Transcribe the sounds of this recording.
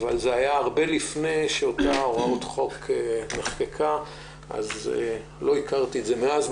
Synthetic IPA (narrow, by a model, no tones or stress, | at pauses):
avalzeajaaʁbe̞lifne̞jʃeot̪aoʁautχo̞kemeχkekʰa | ʔa̰ze | lo̞ikaʁt̪ietzemeaz